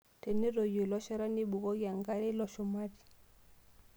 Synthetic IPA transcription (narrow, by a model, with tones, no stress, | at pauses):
te˨ne˦ɾɔ˨jo˨lɔ˦ʃa˦ɾa˦ni˦bu˨ɣɔ˦ɣa˨ŋɡa˦ɾe˦lɔ˨ʃɔ˨ma˦ɾi˨